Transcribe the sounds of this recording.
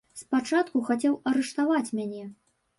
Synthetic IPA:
spat͡ʂat̪kuxat͡sʲɛwɐɾɛʂt̪avat͡sʲmʲanʲɛ

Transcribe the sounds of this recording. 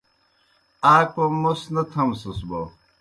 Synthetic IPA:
aːk̚pɐmosnɐt̪ʰɐmsusbo

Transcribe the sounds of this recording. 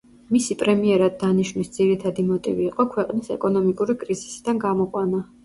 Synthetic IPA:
misipʼɾɛmiɛɾad̪̚ːaniʃvnisd̪z̥iɾit̪ʰad̪imɔt̪ʼḭviːqʼɔkʰwɛqʼnisɛ̰kʼɔnɔmikʼuɾikʼɾizisid̪anɡamɔqʼwana

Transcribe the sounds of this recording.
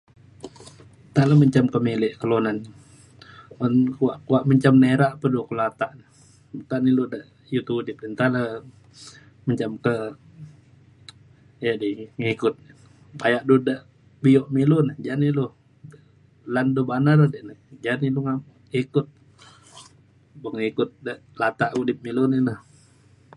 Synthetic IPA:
t̪alaməɲt͡ʃamkəmilɛʔkəlonan | ɔnkwaʔkuwaʔməɲt͡ʃamneɾaʔpədukulat̪aʔnə | t̪aniludaʔ | jut̪udɪp̚dɛnt̪ala | məɲt͡ʃamkə | jadiŋikʊt̪̚n | pajaʔdudaʔ | bijɔʔmilʊnəd͡ʒanilu | də | landubanaɾadiʔnəhd͡ʒaniluŋa | ikʊt̪̚ | bəŋikʊt̪̚dəʔlat̪aʔudɪp̚milʊninəh

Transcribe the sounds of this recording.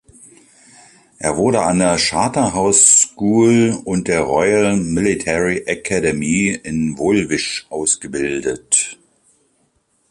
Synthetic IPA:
ʔeːɐvʊɐɾəandeːɐʃaːtɐɦaʊsʃkuːlʊnt̚d̥eːɐʁɔʏəlmɪlitʰɛʁiʔakʰɛdɛmiɪnvolvɪʃʔaʊsɡ̥əbɪldət

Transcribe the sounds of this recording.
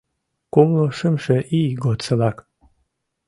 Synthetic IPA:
kumloʃəmʃĕʔiɡot̪sə̆lɑk

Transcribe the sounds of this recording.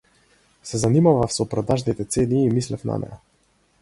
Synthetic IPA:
sɛzanimavafsɔpɾɔd̪aʒnit̪ɛt̪seniːmislɛfna̰nɛ̰ja

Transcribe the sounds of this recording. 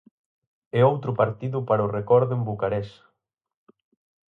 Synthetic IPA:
ɛowt̪ɾʊpaɾt̪iðʊpaɾaʊrekɔɾðʊembukaɾɛs

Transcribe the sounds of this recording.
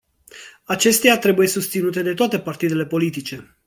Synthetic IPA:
at͡ʃe̞st̪eat̪ɾe̞buje̞sust̪sinut̪e̞d̪e̞t̪oat̪e̞part̪id̪e̞le̞po̞lit̪̬it͡ʃe̞

